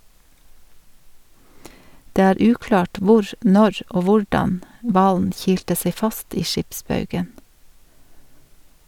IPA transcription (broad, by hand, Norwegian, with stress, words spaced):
ˈdeː ˈæːɾ ˈʉːklɑːʈ ˈʋʊɾ ˈnɔɾ ˈoː ˈʋʊɹdɑn ˈʋɑːln ˈçiːltə ˈseɪ ˈfɑst ˈiː ˈʃɪpˌsbɑʉɡən